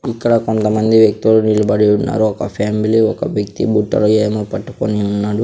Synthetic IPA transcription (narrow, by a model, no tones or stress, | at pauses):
ikːɐɽɐkont̪ɐmɐnd̪iʋjɐk̚t̪ilunilɐbɐɽiunːa̰ːɾuɔkɐpʰaːmiliɔkɐʋjek̚t̪ḭbuːʈːɐ̰lueːmoːpɐʈːukoniunːaːɽu